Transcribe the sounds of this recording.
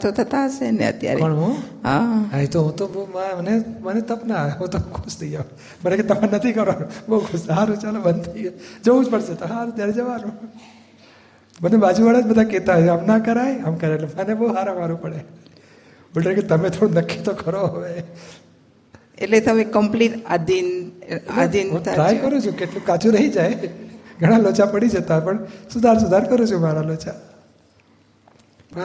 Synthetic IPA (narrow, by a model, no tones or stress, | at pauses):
t̪ʰot̪ʰɐt̪aɦəsenḛə̰t̪ja̰ɾḛəɳɦõɦa̰ait̪oɦũt̪obomamənemənet̪əpnaeɦũt̪okʰʊst̪ija | bəɽket̪ɐmãnət̪ʰikəɾʋaːnũboukʰʊsɦaːɾũt͡ʃalobənt̪iod͡ʒəũt͡ʃpəɽset̪oɦaət̪jaːɾed͡ʒəʋaːnũ | mənebaːd͡ʒuʋaɽad͡ʒbəd̪ʱaket̪aɦəmnakəɾaːeəmkəɾẽelemənebouɦaːɾəmaːɾũpəɽe | bʊlʈə̃ket̪əmẽt̪ʰoɽonəkʰːit̪okəɾoɦəʋe | ḛʈlet̪əmekːəmpliʈad̪inad̪ĩt̪ɾajkəɾũt͡ʃʰũket̪ũkat͡ʃʰuɾəɦid͡ʒajɡʱəɽ̃alot͡ʃapəɽid͡ʒət̪apəɳsʊd̪ʱaɾs̬ʊd̪ʱaɾkəɾũt͡ʃʰũmaɾalot͡ʃa